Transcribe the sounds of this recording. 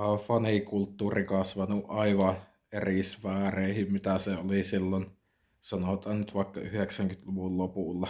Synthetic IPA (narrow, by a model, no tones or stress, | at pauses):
ɑfɑnikult̪ːuːrikɑsʋɑnuʔʔɑiʋɑn | erisʋæːreˑihimmit̪æseolisilːon | sɑnot̪ɑːnnyt̪ʋɑˑikːɑ̰yheksæŋkyt̪luʋullopuˑlːɑ